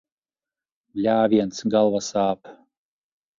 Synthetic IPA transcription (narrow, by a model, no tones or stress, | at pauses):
lʲaːviɛnt̪sɡalˠvasaːp